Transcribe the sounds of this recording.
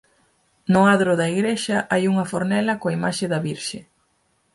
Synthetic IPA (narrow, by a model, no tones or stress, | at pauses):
nʊaðɾʊðɐiɣɾeʃɐʔajuŋɐfoɾnɛlɐkoaimaʃɪðɐβiɾʃɪ